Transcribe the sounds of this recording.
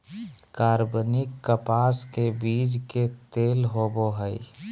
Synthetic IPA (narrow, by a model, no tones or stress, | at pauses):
kaːɾbənɪkːəpaːskebiːd͡ʒket̪eːlɦoboɦəi